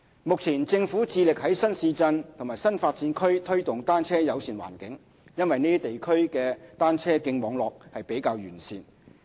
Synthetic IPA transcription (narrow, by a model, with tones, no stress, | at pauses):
mʊ˨k̚t͡sʰiː˨˩nt͡sɪ˧ŋfuː˨˥t͡siː˧lɪ˨k̚hɐ˨˥jsɐ˥nsiː˧t͡sɐ˧nt̪ʰmaː˨˩jsɐ˥nfaː˧t̚t͡siː˨˥nkʰɵ˥ɥt̪ʰɵ˥ɥt̪ʊ˨ŋt̪aː˥nt͡sʰɛː˥jɐ˨˧wsiː˨˩nwa̰ː˨˩nkɪ˨˥ŋ | jɐ˥nwɐ˨jniː˥i˥t̪e˨jkʰɵ˥ɥkɛː˧t̪aː˥nt͡sʰɛː˥kɪ˧ŋmɔː˨˧ŋlɔː˨k̚hɐ˨jpe˨˥jkaː˧wjyː˨˩nsiː˧n